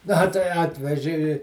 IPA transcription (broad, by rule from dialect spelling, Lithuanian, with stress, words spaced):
ˈnɐ tɐɪ ˈɑːtʲʋʲɛʒʲɪ ɪ